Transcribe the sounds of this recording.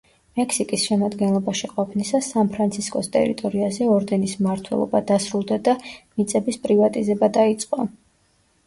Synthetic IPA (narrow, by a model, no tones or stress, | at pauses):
mɛkʰsikʼisʃɛmad̪ɡɛnlˠɔbaʃiqʼɔpʰnisasanpʰɾant̪sʰiskʼɔst̪ʼɛ̰ɾḭt̪ʼɔɾiazɛɔɾd̪ɛnismaɾt̪ʰwɛ̰lˠɔ̰bad̪asɾulˠd̪ad̪amit̪sʼɛbispʼɾivat̪ʼizɛbad̪ait̪sʼqʼɔ